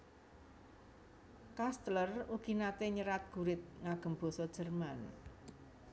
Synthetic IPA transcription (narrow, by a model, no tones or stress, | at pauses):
kast̪ləruɡ̥inat̪eɲəɾat̪̚ɡ̥ṳɾɪt̪̚ŋaɡ̥ə̤mbo̤sɔd̥ʒ̥ə̤rman